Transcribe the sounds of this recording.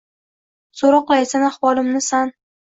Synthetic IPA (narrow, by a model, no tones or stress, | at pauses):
soɾɒqlˠajsanaχwɒlˠɪmnɪsan